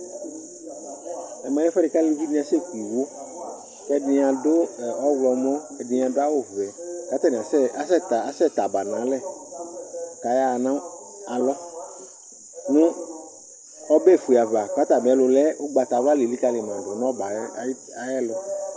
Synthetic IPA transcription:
ɛ˨mɛ˨˦ɛ˦fɛ˦ɾɪ˨ka˦lɪ˦vi˦nĩ˦ã˨sɛ˦˨kʷi˨wo˦ | kɛ˦dɪ˨a˨dʊ˦˨ɔ˦wlɔ˨m˦ɔ̃˦ɛ˨dɪ̃˨˧˨a˨dʊ˦a˦wʊ˦vɛ˨ka˨˦t̪a˦ni˨a˨sɛ˦a˦sɛ˦ta˦sɛ˦˨t̪a˨ba˨nã˨˦lɛ˦˨ | ka˨ja˦˨nã˦ | a˨lɔ˦ | nʊ̃˦ | ɔ˦be˦˨fu˨a˨va˨k͡pa˨˦t̪a˨m˨ɛ˦lʊ˨lɛ˦ʊ˦ɡ͡ba˨t̪a˨va˦lɪ˨li˦ka˦lɪ˨m˨ã˨dʊ˨n˦ɔ̃˦ba˨˦˨ | a˨jɛ˦lʊ˨

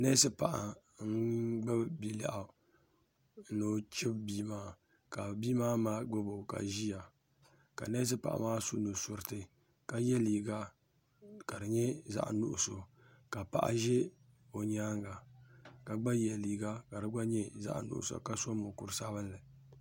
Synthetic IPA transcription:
nɛ˦sɨ˦pa˨ʔa˨ | ŋ̩˦ɡ͡ba˦bi˦la̰˨ʔa˨˦ | no˦t͡ʃɪ˦bbiː˦maː˦ | ka˨biː˦maː˦maː˦ɡ͡bʊ˦bo˨ka̰˨ʒi˦ja˨ | ka̰˨na˦s̬ɨ˦pa̰˨ʔa̰˨maː˦su˦nu˨sʊ˨ɾtɨ˦ | ka˨jɛ˦liː˨ɡa˦ | ka˨ɾɨ˨ɲɛ˦za̰˦ʔnṵ˦ʔʊ˨so˨ | ka˨pa̰˨ʔa̰˨ʒɛ˦ | o˨ɲaː˦ŋɡa˨ka˨ɡ͡ba˦jɛ˨liː˨ɡa˦ka˨ɾɨ˨ɡa˦ɲɛ˦za̰˦ʔnʊ̰˨ʔʊ̰˨so̰˨ka˦so˦mʊ˨kʊ˨ɾsa˦bɨ˦lːɨ˨

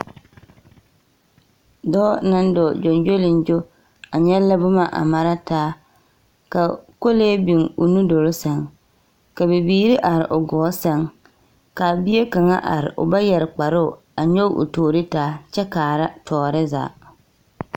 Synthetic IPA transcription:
dɔː˦na˦n˦dɔ˨d͡ʒo˨nd͡ʒo˦lɪ˨nd͡ʒo˦ | a˨ɲɛ˦la˦bʊ˦ma˦˨ʔa̰˨ma˦ɾa˦taː˦ | ka˨ko˦leː˦bi˨ŋʊ̰˨nu˦do˨ɾo˦sɛ˦ŋ | ka˨bɪ˨biː˦ɾi˦ʔa˨ɾɪ˨ʔʊ˨ɡɔː˨˦sɛ˦ŋ | ka˨bɪ˦e˦ka˨ŋa̰˦ʔa̰˨ɾɪ̰˨ʔʊ̰˨ba˦jɛ˨ɾɪ˨k͡pa˨ɾʊ˦ʊ˨ | a˨ɲo˦ʔʊ̰˨toː˨ɾi˦taː˦t͡ʃɛ˦kaː˨ɾa˦tʰɔː˨ɾɪ˦za̰ː˨

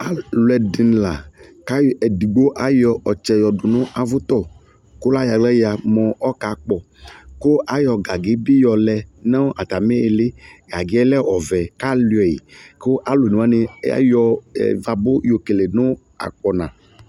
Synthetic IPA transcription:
a˦lwɛ˨di˨n˨la˨ka˦ɛ˨di˨ɡ͡bo˦ʔa˦jɔ˧ɔ˨t͡ʃɛ˨jɔ˨dʊ˨nʊ̃˦ʔa˨vʊ˦t̪ɔ˦˨ | ko˦la˦ja˨lɛ˦ja˨mɔ̃˨ɔ˦ka˨˦k͡pɔ˨ | ko˦ʔa˦jɔ˧ɡa˨ɡɪ˨˦bi˦jɔ˨lɛ˨nã˦ʔa˨t̪a˨me˦e˨le˦ɡa˨ɡɪ˦ɛ˦lɛ˦ɔ˨vɛ˨ka˦li˨ɛ˨jḭ˨ko˦ʔa˨lo˨nũ˨a˦ne˧˦ja̰˦jɔ̰˧˨va˨bo˦jo˨ke˨le˨nʊ̃˦ | a̰˨k͡pɔ˨nã˨

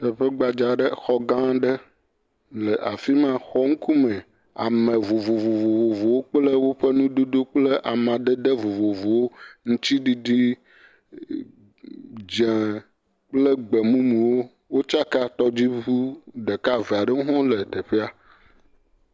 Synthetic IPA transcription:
t̪ə˨ɸe˦ɡ͡ba˨d͡ʒa˨ɖə˦xɔ˦ɡã˦ɖə˦ | lə˨ʔa˨fi˦mã˦xɔ˦ŋ̩˦ku˦mɛ̃˨ | a̰˨mə̃˨vo˨vo˨vo˨vo˨vo˨vo˨wo˦k͡plə˦wo˦ɸə˦nũ˦d̪o˦d̪o˦k͡plə˦ʔa˨mã˨ɖə˦d̪ə˦vo˨vo˨vo˨wo˦ŋũ˦t̪i˦ɖi˦ɖi˦ | d͡ʒẽ˨ | k͡plə˦ɡ͡be˨mũ˦nũ˨wo˦ | wo˦t͡ʃa˦ka˦t̪ɔ˦d͡ʑi˦vu˦ɖe˨ka˦ve˨a˨ɖə˦ŋu˦ɦɔ̃˦lə˨t̪ə˨ɸe˦a˨

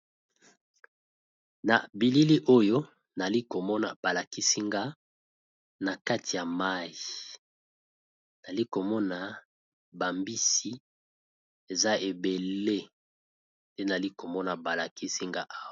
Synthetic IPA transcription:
na˨bi˨li˦li˦ʔo˦jo˦ | na˨li˦ko˨mɔ˦na˨b̥a˨la˨ki˦si˦ŋɡa˦ | na˨ka˦tʰi˨ja˨ma˦ji˨ | na˨li˦ko˨mɔ˦na˨ | ba˨mbi˦si˦ | e˨za˦e˨be˨le˦ | nde˦na˨li˦ko˨mɔ˦na˨ba˨la˨ki˦si˦ŋɡa˦ʔa˦w

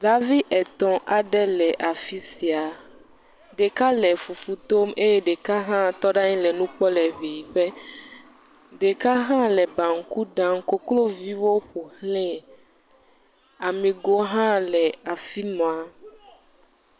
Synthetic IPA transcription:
ɖa˦vi˦ʔɛ˨t̪ɔ̃˦ʔa˨ɖɛ˦lɛ˨ʔa˨fi˦si˨a˨ | ɖe˨ka˦lɛ˨fu˨fu˨t̪o˦me˦jɛ˦ɖe˨ka˦ɦã˦t̪ɔ˦ɖa˦ɲĩ˦lɛ˨nũ˦k͡pɔ˦lɛ˨βi˨bɛ˦ | ɖe˨ka˦ɦã˦lɛ˨bã˨ŋ̩˨˦ku˦ɖã˦mko˦klo˦vi˦wo˦ɸo˨hlɛ̃˦ | a˨mĩ˨ɡo˦ɦã˦lɛ˨a˨fi˦mɔ̃˨a˨

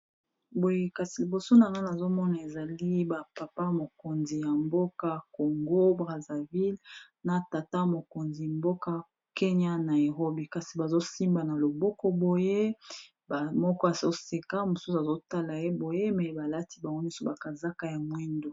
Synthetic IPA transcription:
bo˨je˦ka˨si˨li˨bo˨so˦na˨ŋa˦na˨zo˦mɔ˦na˨e˨za˨li˦ba˨pa˨pa˦mo˨ko˨nzi˨ja˨mbo˦ka˦ko˨ŋɡo˦bʁa˨za˨vi˦l | na˨ta˨ta˦mo˨ko˨nzi˨mbo˦ka˦ | ke˦ɲa˦na˨je˨ʁo˦bi˨ka˨si˨ba˨zo˦si˦mba˨na˨lo˨bɔ˦kɔ˦bo˨je˦ | ba˨mɔ˦kɔ˦a˨zo˦se˨ka˦mo˨su˦sa˨zo˦ta˦la˨je˦bo˨je˦mɛ˨ba˨la˦ti̥˦ba˨ŋɡo˦ɲɔ̃˦sɔ˦ba˨ka˨za˦ka˦ja˨mwɛ˦ndo˨

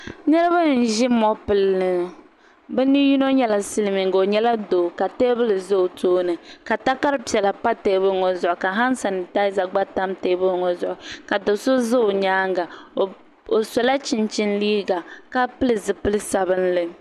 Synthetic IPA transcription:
nɨ˦ɾɨ˦ba˦n̩˨ʒi˦mɔ˦pɨ˨lnɨ˨ | bɛ˦ni˦ju˦no˦ɲɛ˦la˨sɨ˦lɨ˨mi˨ŋ˨ɡo˨o˨ɲɛ˦la˦doː˨ka˨teː˦bɨ˦lɨ˨zo˦o˨toː˦nɨ˨ka˨ta˦ka˦ɾɨ˦pi˨ɛ˨la˨pa˦te˨˦bɨ˦ŋɔ˨zʊ˨ʔʊ˨ka˨ɦa˦n˦sa˨nɨ˨ta˦ɪ˦za˨ɡ͡ba˦ta˦mteː˦bɨ˦ŋɔ˨zʊ˨ʔʊ˨ka˨do˨so˦zo˦o˨ɲaː˦ŋɡa˨ | o˨sɔ˨la˦t͡ʃi˨nt͡ʃi˦nliː˦ɡa˨ka˦pɨ˦lɨ˨zɨ˨pɨ˦lɨ˦sa˨bɨ˦nlɨ˦

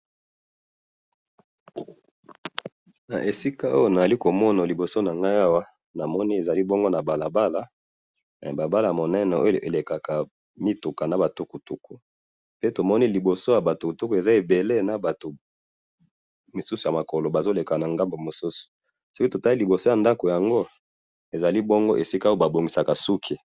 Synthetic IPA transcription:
na̰˨ʔe˨si˦ka˦o˦jo˦na˨za˨li˦ko˨mɔ˦na˨li˨bo˨so˦na˨ŋɡa˦a˦wa˦ | na˨mɔ˦ni˦e˨za˨li˦bo˦ŋɡo˦na˨ba˨la˨ba˦la̰˦˨ | ba˨ba˦la˨mo˨nɛ˦nɛ˨o˦jo˦˨ʔḛ˨le˨ka˨ka˨ | mi˦tu˨ka˨na˨ba˨tu˦ku˨tu˦ku˦ | pe˦to˨mɔ˦ni˦li˨bo˨so˦ja˨ba˨tu˨ku˨tu˦ku˨e˨za˦e˨be˨le˦na˨ba˨to˨ | mo˨su˦su˨ja˨ma˨ko˨lo˨ba˨zo˦le˨ka˨na˨ŋɡa˦mbo˨mo˨su˦su̥˨ | so˦ki˦to˨ta˦i˦li˨bo˨so˦ja˨nda˦ko˨ja˨ŋɡo˦ | e˨za˨li˦bɔ˦ŋɡo˦ʔe˨si˦ka˦o˦o˦ba˨bo˨ŋɡi˨sa˨ka˨su˦kʰi˦

